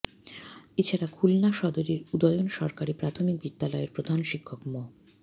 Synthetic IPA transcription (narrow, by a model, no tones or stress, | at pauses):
et͡ɕʰaɾakʰulnaʃɔd̪oɾiɾud̪ɔjonʃɔɾkaɾipɾat̪ʰomik̚bid̪ːalɔeɾpɾod̪ʱanʃikʰːokmɔ